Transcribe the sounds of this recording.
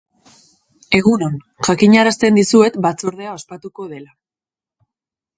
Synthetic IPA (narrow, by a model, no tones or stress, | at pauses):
e̞ɣuno̞n | ʝakiɲaɾast̪e̞nd̪isue̞t̪bat͡so̞ɾðe̞ao̞spat̪uko̞ð̞e̞la